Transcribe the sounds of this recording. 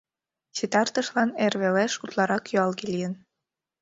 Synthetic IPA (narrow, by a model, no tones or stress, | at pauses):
t͡ɕit̪ɑrt̪ɤ̆ʃlɑnerβeleʃut̪lˠɑɾɑkjyɑlˠɣilʲijə̆n